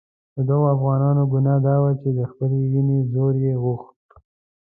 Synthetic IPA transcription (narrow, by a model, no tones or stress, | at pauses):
d̪əd̪aɣoafɣɑnɑnoɡʊnɑd̪ɑwat͡ʃed̪əxpəlewinezoɾjeɣʊxt̪